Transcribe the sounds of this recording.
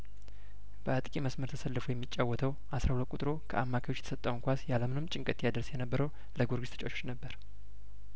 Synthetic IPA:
b̥əat̪ʼkʼiməsməɾt̪ʰəsəlːɨfojɛmːit͡ʃʼːawːɔt̪ʰəw | ʔasɾahulət̪̚ʼkʼut̪ʼɨɾo̞kʰə̰ʔamːakʰajot͡ʃːjɛt̪ə̥sət̪ʼːəwŋkʷasjaləmɨnɨmt͡ʃʼɪŋkʼət̪jad̪əɾsjɛnəbːəɾəw | ləɡoɾɡist̪ʰt͡ʃʼoʃʰo̥t͡ʃnəbːəɾ

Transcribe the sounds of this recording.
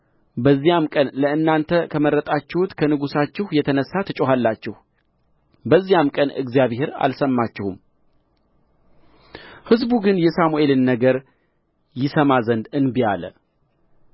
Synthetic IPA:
bəzːijamkʼənləɨnːant̪ʰəkʰəməɾːət̪ʼat͡ʃːɪhut̪kʰənɨɡusat͡ʃːɪhjɛt̪ʰənəsːat̪ʰɨt͡ʃʼoɦalːat͡ʃːɪh | bəzːijamkʼənɨ̰ɡzijaβehe̞ɾa̰lsəmːat͡ʃːɪhum | hɨzbuɡɨnjɛsamue̞lɨnːəɡəɾ | jɪsəmazənd̪ɨnbialə̰

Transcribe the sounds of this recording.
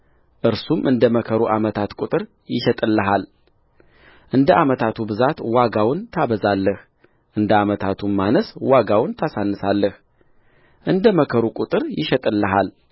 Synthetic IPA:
ʔɨɾsumʔɨnd̪əməkʰəɾuʔamət̪ʰat̪kʼut̪ʼɨɾ | jɪʃɛt̪ʼɨlːəɦal | ʔɨnd̪əʔamət̪ʰat̪ʰubɨzat̪waɡawʊnt̪ʰaβəzalːəh | ʔɨnd̪əamət̪ʰat̪ʰumːanəswaɡawnt̪ʰasanːɨsalːəh | ʔɨnd̪əməkʰəɾukʼut̪ʼɨɾjɪʃɛt̪ʼɨlːəɦal

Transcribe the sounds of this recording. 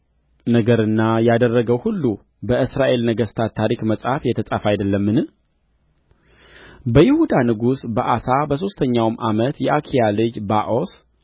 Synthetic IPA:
nəɡəɾɨnːajad̪ərːəɡəwhulːu | bəʔɨsɾaʔe̞lnəɡəst̪ʰatt̪ʰːaɾikməsʼhafjɛt̪ʰəsʼafajd̪əlːəmːɨnɨm | bəjɪhud̪anɨɡusbəʔasabəso̞st̪ʰəɲːawmʔamət̪jɛʔakʰijalɨd͡ʒbaʔos

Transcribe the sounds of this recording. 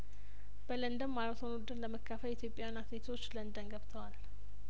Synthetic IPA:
b̥ələnd̪əmːalət̪ʰonud̪ɨɾləməkʰːafəlit̪ʰjo̞pʼjaanːasnet̪ʰot͡ʃːlənd̪ənɡəβt̪ʰəwal

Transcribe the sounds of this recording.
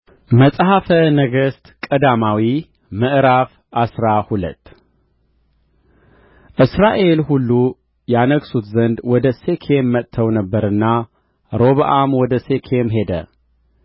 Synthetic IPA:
məsʼhafənəɡəst̪kʼəd̪amawi | məʔɾaf | ʔasɾahulə̰t̪ː | ʔɨsɾaʔe̞lhulːu | janəɡsut̪zənd̪wɔd̪əse̞kʰemːət̪ʰːəwnəbːəɾɨnːa | ɾo̞βʔamwɔd̪əse̞kʰe̞mɦe̞d̪ə̰

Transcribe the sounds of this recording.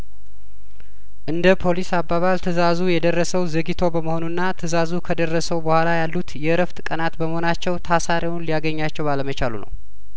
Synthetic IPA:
ʔɨnd̪əpʰo̞lisabːaβalt̪ʰɨzazujɛd̪ərːəsəwzəɡit̪ʰo̞bəməho̞nunːat̪ʰɨzazukʰəd̪ərːəsəwbəhʷalajalːut̪jɛɾəft̪ʼkʼənat̪bəməhonat͡ʃːɛwt̪ʰasaɾiwnlijaɡəɲːat͡ʃːɛwbaləmət͡ʃalṵnə̰w

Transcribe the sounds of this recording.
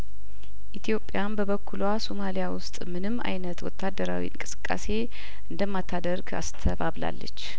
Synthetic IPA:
ʔit̪ʰijo̞pʼːjanbəβəkʰːulwaso̞malijawʊst̪ʼmɨnɨmːa̰jnət̪wɔ̰t̪ʰːad̪ːəɾa̰wḭɨ̰ŋkʼɨ̥sɨ̥kʼːa̰se̞ | ʔɨnd̪əmːat̪ʰːad̪əɾɡa̰st̪ʰəβaβla̰lːə̰t͡ʃː

